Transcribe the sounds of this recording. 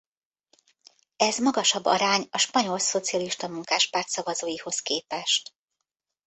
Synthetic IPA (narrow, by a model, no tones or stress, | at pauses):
ɛzmɒɡɒʃɒbːɒ̰ɾaːɲɒʃpɒɲo̞lso̞t̪sijɒliʃt̪ɒmuŋkaːʃpaːrt̪sɒvɒzoːjiho̞skeːpɛʃt̪